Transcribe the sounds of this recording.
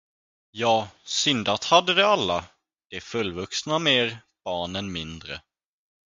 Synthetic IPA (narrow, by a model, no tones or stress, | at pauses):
jɑːsʏnd̪at̪had̪ːəd̪ɛalːa | d̪̥ɛfɵlːvɵksnameːɾ | b̥ɑːɳənmɪnd̪ɾə̰